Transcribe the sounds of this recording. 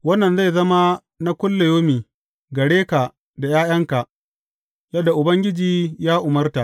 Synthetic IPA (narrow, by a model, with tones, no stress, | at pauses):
wɐ˦nːɐ˨nza˦˨zɐ˦ma˦ | na˦kʷʊ˦lːe˨joː˦miː˨ | ɡɐ˨ɽeː˦ka˨ | da˨jaː˦j̰ɐ˦ŋka˨ʔ | jɐ˦dːa˨ʔʊ˨bɐ˦ŋɡʲɪ˦d͡ʒiː˨jaː˦ʔʊ˨mɐ˦rta˨ʔ